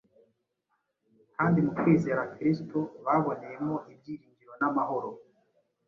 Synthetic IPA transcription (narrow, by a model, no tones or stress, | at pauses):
kaːndimukwiːze̞ːɾakɾistoβaβo̞neje̞mo̞ʔib̚ɟiːɾiːɲɟiɾo̞namaho̞ɾo̞